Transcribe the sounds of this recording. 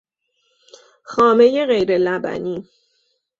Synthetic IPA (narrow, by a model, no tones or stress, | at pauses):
xɒːme̞je̞ɣe̞jɾe̞læbæ̰niː